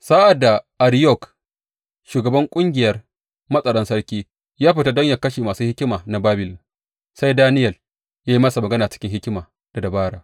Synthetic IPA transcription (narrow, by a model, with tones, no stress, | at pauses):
saː˦ʔa˨da˨ʔa˨ɾjɔ˦˨k | ʃuː˨ɡɐ˨bɐ˦ŋkʷʼʊ˦ŋɡʲɪ˨jɐ˦r | mɐ˦sʼɐ˨ɽɔ˦nsɐ˦ɽkʲiː˦ | jaː˦ɸɪ˨ta˦dɔ˦ɲja˨kɐ˦ʃeː˨maː˨suː˦hɪ˦kʲɪ˦maː˨na˨baː˦bɪ˨l | sa˦jdaː˦nɪ˦jɐ˨l | jaː˦ji˦mɐ˦sa˨mɐ˨ɡɐ˦naː˨t͡ʃɪ̥˦kʲɪ˦ŋhɪ˦kʲɪ˦maː˨ | d̥a˨dɐ˨baː˦ɽaː˨